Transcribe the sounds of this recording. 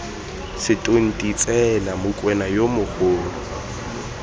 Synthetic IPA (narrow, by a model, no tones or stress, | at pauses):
sɪtʼon̩tʼit͡sʼɛlamʊkʼwɛnajomʊhoːlʊ